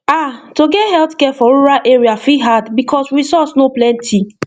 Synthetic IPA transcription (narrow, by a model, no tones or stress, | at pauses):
atoɡɛhɛltkɛfɔɹuɹalʔeɹiafiɦadbikʰɔsɹisɔtsnoplɛ̃ntʰi